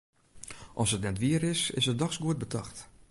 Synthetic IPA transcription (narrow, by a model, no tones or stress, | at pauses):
ʔɔsətnɛtʋiəɾɪsɪ̰sət̚dɔxsɡuət̚bətʰɑxt